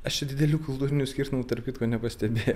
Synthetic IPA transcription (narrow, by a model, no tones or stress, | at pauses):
ɐʃt͡ʃʲɛd̪ʲɪd̪ʲɛlʲuːkʊlˠt̪uːɾʲɪnʲusʲkʲiːɾt̪ʊmʊt̪ɐɾrpʲkʲɪt̪koːnʲɛpɐsʲt̪ʲɛbʲeːjo